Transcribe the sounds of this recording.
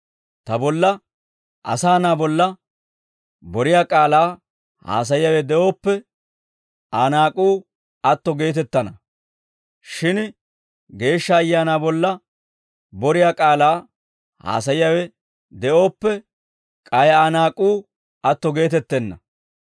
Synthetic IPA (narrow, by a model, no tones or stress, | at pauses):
t̪ɐbɔlːɐ | ʔɐ̰saːnaːbɔlːɐ | bɔɾɪjaːkʼaːlaː | ha̰ːs̬ɐjɪjɐwɛd̪ɛʔo̞ːpːɛ | ʔaːnaːkʼuː | ɐt̪ːɔɡe̞ːt̪ɛt̪ːɐnɐ | ʃɪn | ɡe̞ːʃːɐːjːaːnaːbɔlːɐ | bɔɾɪjaːkʼaːlaː | ha̰ːsɐjjɐwɛ | d̪ɛʔo̞ːpːɛ | kʼɐjaːnaːkʼuː | ʔɐt̪ːɔɡe̞ːt̪ɛt̪ːɛnːɐ